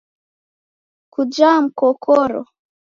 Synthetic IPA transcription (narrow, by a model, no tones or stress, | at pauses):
kud͡ʒam̩kɔkʰɔɾɔ̰